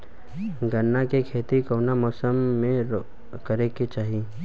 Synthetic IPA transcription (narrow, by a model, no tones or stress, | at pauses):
ɡənːakekʰeːt̪ikoːnamɔːsəmːẽ | kəɾeket͡ʃaːɦi